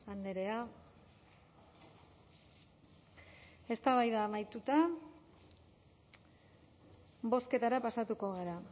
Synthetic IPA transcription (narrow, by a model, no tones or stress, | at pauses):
and̪eɾe̞a | e̞st̪aβajðaːmajt̪ut̪a | bo̞ske̞t̪aɾapasat̪uko̞ɣeɾa